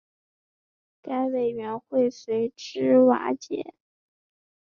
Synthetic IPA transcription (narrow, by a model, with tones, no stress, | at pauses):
ka˥ɪwe˨˩ɪɥɛ˧˥nxwe˥˩ɪswe˧˥ɪʈ͡ʂɻ̩˥wa̰˧˥t͡ɕjɛ̰˨˧˩